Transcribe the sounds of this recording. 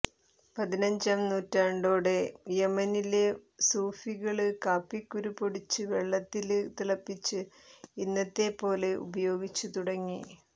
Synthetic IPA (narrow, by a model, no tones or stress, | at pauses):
pɐðinɐɲd͡ʑaːmnuːtːaɳɖo̞ːɽe̞jemɐnilesuːfiɣɐɭɨkaːpːikːuɾupoɽit͡ɕːɨʋe̞ɭːɐt̪ːilɨt̪iɭɐpːit͡ɕːɨ | inːɐt̪ːe̞po̞ːle̞ʔṵbɐjo̞ːɡit͡ɕːɨt̪uɽɐŋːi